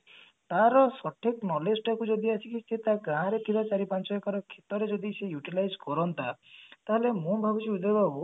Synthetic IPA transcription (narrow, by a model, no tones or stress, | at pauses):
t̪aɾɔsɔʈʰeknɔlesʈɔkud͡ʒɔd̪iat͡ʃʰikiset̪aɡaɦãɾet̪ʰibat͡ʃaɾipant͡ʃɔjɔkɔɾɔkʰet̪ɔɾed͡ʒɔd̪isejuʈilajd͡ʒkɔɾɔnt̪at̪aɦelemũbʱabusiud̪ebabu